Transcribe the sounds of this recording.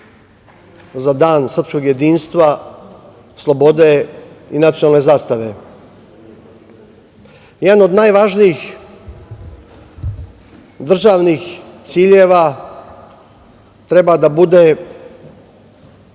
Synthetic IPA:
zad̪aːnsr̩psko̞ɡje̞d̪iːnst̪ʋa | slˠo̞bo̞d̪e̞inat̪sijonalˠne̞zaːst̪aʋe̞ | jɛd̪ano̞d̪najʋaʒniix | d̪r̩ʒaʋnixt̪siːʎeːʋa | t̪ɾe̞bad̪abud̪e

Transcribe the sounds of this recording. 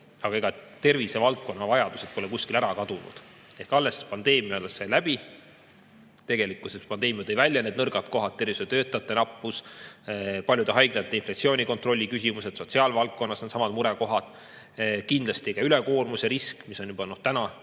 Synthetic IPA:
ɑɡ̥ɑeɡɑt̪e̞rvise̞vɑlt̪̚ko̞nːɑvɑjɑd̪use̞d̪̥̚po̞lɛkusʲkilæɾɑkɑd̪̥unṵd̪̥ | ehkɑlːe̞spɑnd̪e̞ːmijɑoleselæb̥i | t̪e̞ɡe̞likˑusepɑnd̪̥e̞ːmiut̪ejvælʲːjɑne̞d̪nɤrɡɑt̪ko̞ɦɑt̪̚ːe̞rvisu̥t̪ø̞ːt̪ːˑɑt̪ːˑe̞nɑpːˑus | pɑlʲjud̪eɦɑjɡ̥lɑt̪ːˑeinflɑkt̪sio̞ːnʲiko̞nt̪ro̞lʲːikysʲimuse̞t̪so̞t̪siɑːlvɑlt̪̚ko̞nːɑsnet̪sɑmɑd̪muɾeko̞ɦɑd̪̥ | kind̪lɑst̪iekɑylekoːrmuseɾiskmiso̞njub̥ɑnːot̪t̪ænɑ

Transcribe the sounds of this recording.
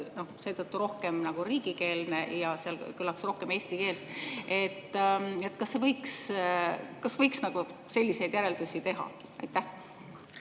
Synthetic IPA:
no̞hse̞ːt̪ɤt̪ːuɾo̞hke̞mnɑɡ̥uɾiːɡ̥ike̞ːlne̞jɑseɑlkylːɑksro̞hke̞me̞ːst̪ike̞ːlt̪e̞t̪ːe̞t̪ːˑkɑsːe̞vɤjks | kɑsvɤjksnɑɡ̥use̞lʲːise̞jd̪̥jæɾe̞ld̪̥usʲit̪e̞ɦɑ̰ɑ̰jt̪ːˑæh

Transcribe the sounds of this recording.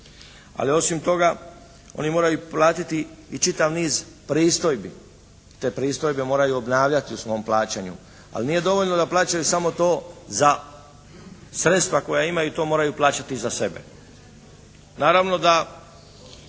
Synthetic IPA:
a̰lio̞simt̪o̞ɡa | o̞̰nimo̞ːɾajuplaːt̪it̪iːt͡ʃit̪aʋniːz | pɾiːst̪o̞jbi | t̪e̞ːpɾiːst̪o̞jbe̞mo̞ːɾajuo̞bnaːʋʎat̪iusʋo̞ːmplˠaːt͡ɕeɲṵ | a̰liniːje̞d̪o̞ʋo̞ʎnod̪aplˠaːt͡ɕajusamo̞t̪o̞ːza | sɾet̪st̪ʋako̞jaimajut̪o̞ːmoːɾajuplˠaːt͡ɕat̪izase̞be̞̰ | naːɾaʋno̞d̪a

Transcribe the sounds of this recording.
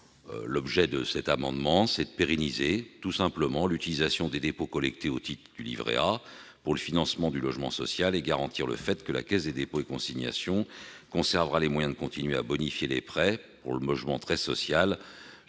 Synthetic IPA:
lɔbʒɛd̪əsɛt̪amɑ̃d̪mɑ̃sɛd̪əpeʁɛnizet̪usɛ̃pləmɑ̃lyt̪ilizasjɔ̃d̪ed̪epokɔlɛk̚t̪eot̪ʰit̪χd̪ylḭvʁḛapuʁləfinɑ̃smɑ̃d̪ylɔʒmɑ̰̃sɔ̰sjaleɡaʁɑ̃t̪iʁlə̰fɛt̪kəla̰kʲɛsd̪ed̪epoekɔ̃siɲja̰sjɔ̃kɔ̃sɛʁvʁalemwajɛ̃d̪əkɔ̃t̪ʰinɥea̰bɔnifjelepχɛpuʁləmɔʒmɑ̃t̪χɛsɔ̰sjal

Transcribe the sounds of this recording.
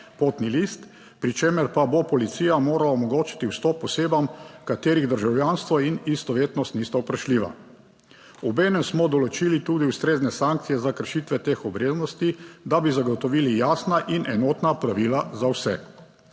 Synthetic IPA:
poːt̪nilist̪ | pɾit͡ʃeːməɾpabopɔlit̪siːjamoːɾalaomɔɡoːt͡ʃi̥t̪iwst̪ɔpɔseːbamkat̪eːɾiɣd̪əɾʒawjanst̪ʋɔinist̪ɔʋeːt̪nɔst̪nist̪awpɾaʃliːʋa̰ | ɔbeːnɛmsmɔd̪ɔlɔt͡ʃiːlit̪uːd̪iust̪ɾeːznɛsaŋk̚t̪sijɛzakəɾʃit̪ʋɛt̪exɔbɾeːznɔst̪id̪abizaɡɔt̪ɔʋilijaːsnaʔinʔɛnoːt̪napɾaʋilazawsɛ

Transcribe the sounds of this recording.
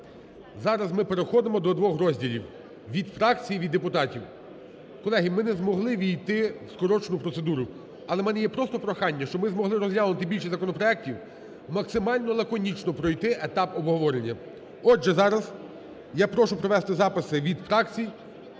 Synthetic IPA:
zɑɾɐzmɪpeɾexɔd̪emɔd̪ɔd̪ʋɔxɾɔzʲdʲilʲiw | ʋʲid̪fɾɑkt͡sʲijiʋʲid̪ːepʊt̪ɑtʲiw | kɔlˠɛɦimɪnɛzmɔɦlˠɪʋʲijt̪ɪskɔɾɔt͡ʃnʊpɾɔt̪se̞d̪uɾʊ | ɐlˠɛmɛnɛjɛpɾɔst̪ɔpɾɔxɑnʲːɐʃt͡ʃɔmɪzmɔɦlˠɪɾɔzʲlʲjalˠnʊt̪ɪbʲilʲʃizɐkɔnɔpɾɔɛk̚tʲiw | mɐksɪmɑlʲnɔlˠɐkɔnʲit͡ʃnɔpɾɔjt̪ɪʔet̪ɑpɔbɦɔʋɔɾe̞nʲːɐ | ɔʒɛzɑɾɐz | japɾɔʃʊpɾɔʋɛst̪ɪzɑpɪsɪʋʲid̪fɾɑkt͡sʲij

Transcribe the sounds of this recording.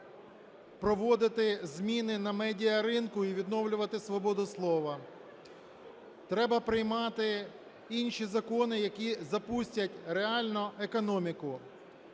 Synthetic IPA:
pɾɔʋɔd̪ɪt̪ɪzmʲinɪnɐmɛdʲiɐɾɪnkʊiʋʲid̪nɔʋlʲʊʋɐt̪ɪsʋɔbɔd̪ʊslˠɔʋɐ | t̪ɾɛbɐpɾɪjmɑt̪ɪ | inʲʃizɐkɔnɪjɐkʲizɐpusʲtʲɐtʲɾeɑlʲnʊʔekɔnɔmʲikʊ

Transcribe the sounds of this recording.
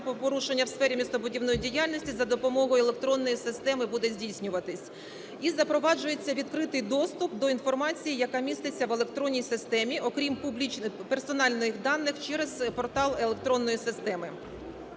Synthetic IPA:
pɔɾuʃe̞nʲːɐwsfɛɾʲimʲist̪ɔbʊdʲiwnɔjidʲijɑlʲnɔsʲtʲizɐd̪ɔpɔmɔɦɔjelˠek̚t̪ɾɔnːɔjisɪst̪ɛmɪbud̪ɛzʲdʲijsʲnʲʊʋɐt̪ɪsʲ | izɐpɾɔʋɑd͡ʒʊje̞t͡sʲːɐʋʲid̪kɾɪt̪ɪjd̪ɔst̪ʊp̚d̪ɔin̪fɔrmɑt͡sʲijijɐkɑmʲist̪et͡sʲːɐʋelˠe̞k̚t̪ɾɔnʲːijsɪst̪ɛmʲiʔɔkɾʲimpublʲit͡ʃpersɔnɑlʲnɔjɪxd̪ɑnːɪxt͡ʃɛɾezpɔrt̪ɑlˠelˠek̚t̪ɾɔnːɔjisɪst̪ɛmɪ

